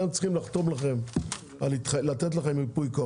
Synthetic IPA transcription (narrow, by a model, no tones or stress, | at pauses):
ent͡sχimlaχt̪o̞mlaχe̞m | alit̪alat̪et̪̬laχemipujka